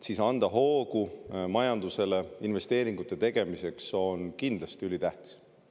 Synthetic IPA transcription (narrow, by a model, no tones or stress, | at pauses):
sisɑnd̪̥ɑɦo̞ːɡumɑjɑnd̪use̞le̞inve̞st̪e̞ːɾiŋɡ̥ut̪ːˑe̞t̪e̞ɡ̥e̞mise̞kso̞nkind̪̥lɑst̪iylit̪æht̪i̥s